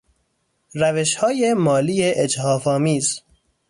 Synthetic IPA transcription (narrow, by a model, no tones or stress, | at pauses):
ɾæveʃhɒːjemɒːliːjeʔed͡ʒhɒːfɒːmiːz